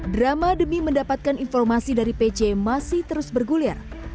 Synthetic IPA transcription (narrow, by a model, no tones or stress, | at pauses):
dɾamadəmiməndapat̪̚kaninfɔrmasidaɾiped͡ʒemasɪht̪əɾʊsbərɡulia̰r